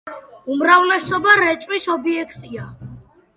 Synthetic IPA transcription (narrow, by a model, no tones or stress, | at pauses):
umɾavlɛsɔbaɾɛt͡ʃ̪ʼwisɔbiɛkʰt̪ʼia